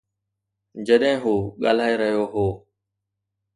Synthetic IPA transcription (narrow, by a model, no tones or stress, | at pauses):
d͡ʒəɗɦɪ̃ːɦuːɠa̰ːl̤aːeɾəɦijoːɦoː